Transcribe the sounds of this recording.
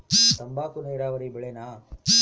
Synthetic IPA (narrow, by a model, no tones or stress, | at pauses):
t̪ɐmbaːkunejɾaːʋɐɾibɐɭenaː